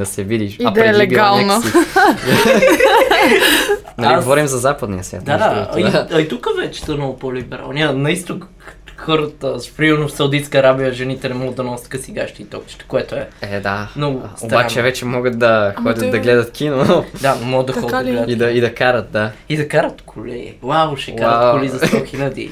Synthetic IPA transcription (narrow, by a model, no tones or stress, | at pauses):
d̪ɐsɛvid̪iʃɐpd̪ɾɛlɛɡalˠno | nɐliɡɡovɔɾimzɐzapəd̪nḭjəsvʲja̰t̪d̪aiɐit̪ukəvɛt͡ʃɛ̥st̪onopolʲiibɛɾa̰lˠniənɐist̪ok | xɔɾət̪əpɾimɛɾnofsɐwd̪it̪skəɐɾabijəʒɛnit̪ɛnɛmɔɡəd̪ɐnɔsʲə̥t̪kɐsiɡaʃt̪iːt̪ɔkt͡ʃi̥t̪ɛ̥koɛt̪oɛɛd̪amnɔɡʊob̪ant͡ʃɛvɛt͡ʃɛmɔɡət̪̚d̪ɐxɔd̪ʲɐt̪d̪ɐɡlɛd̪ɐt̪kinond̪anomɔɡət̪d̪ɐxɔd̪ɐɡɡlɛd̪id̪ɐid̪ɐkaɾət̪̚d̪aid̪ɐkaɾɐt̪kʰolɛ̰ɡḭblˠavoʃɛaɾkolizɐstɔxilʲɐd̪ḭ